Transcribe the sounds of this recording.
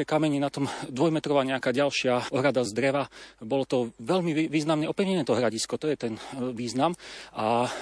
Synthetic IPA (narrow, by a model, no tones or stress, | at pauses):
ɛkamɛɲɛnat̪ɔmd̪ʋɔjmɛt̪ɾɔʋaːɲɛakaːɟalʃɪaʔɔɦɾad̪azd̪ɾɛʋabɔlɔt̪ɔʋɛʎmiʋiːznamɲɛɔpɾiʋɲɛnɛt̪ɔɦɾaɟiskɔt̪ɔjɛt̪ɛnʋiːznamʔa